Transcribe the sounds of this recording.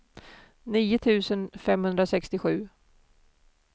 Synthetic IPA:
niːʊt̪ʰʉ̟ːsənfɛmhɵnd̪ɾasɛkst̪ɪɧʉ̟ː

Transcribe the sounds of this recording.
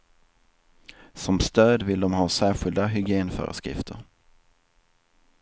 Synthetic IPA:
sɔmst̪øːd̪vɪld̪ɔmɦɑːsæːɧɪld̪aɦʏɡɪeːnfœ̰ːɾə̰skɾɪ̰ft̪ʰəɾ

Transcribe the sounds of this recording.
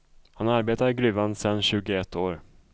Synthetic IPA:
hanaɾbeːt̪aɾɡɾʉ̟ːvand̪sɛnːɕʉ̟ːɡʊɛt̪ʰːoːɾ

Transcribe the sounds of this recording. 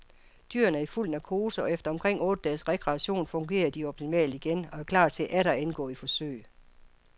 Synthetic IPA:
d̥yːɐnæɐifuln̩ækʰo̝ːsəɒ̽efd̥ɐɒ̽mkʰʁeŋ̰ɔ̽ːd̥əd̥ɛːsʁekʰʁɛːɕo̝̰ːnfɔ̽ŋɡ̥e̝̰ːɐd̥iɒ̽b̥̚t͡sʰimɛ̰ːld̥iɡ̥enɒ̽æɐkʰlɑ̈ːd̥̚t͡sʰe̝ʔæɾ̥ɐenɡ̥ɔ̰ːifɒ̽sø̰ɪ̰

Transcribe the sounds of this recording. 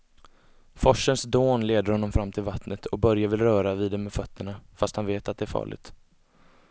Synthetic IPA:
fɔʂənsd̪oːnleːd̪əɾhɔnːɔmfɾamːt̪ʰɪlvat̪nət̪ʰɔk̚bœɾjavɪlɾœːɾaviːd̪ɛmɛfœt̪ːəɳafast̪hanveːt̪at̪̚d̪ɛæɾfɑ̰ːɭɪ̰ɡ̚t̪

